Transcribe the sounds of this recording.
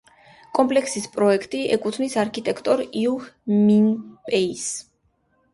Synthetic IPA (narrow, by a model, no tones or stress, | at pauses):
kʼɔmpʼlɛkʰsispʼɾɔɛkʰt̪ʼiɛkʼut̪ʰnisaɾkʰit̪ʼɛkʰt̪ʼɔɾiuhminpʼɛis